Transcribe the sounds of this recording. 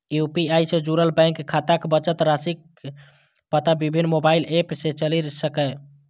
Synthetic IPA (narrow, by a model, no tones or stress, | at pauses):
jupiajsed͡ʒuɾəlbɛ̃ŋkkʰːat̪akbət͡ʃət̪ɾasik | pət̪abibʱinːmobailepset͡ʃəliɾsəkɛ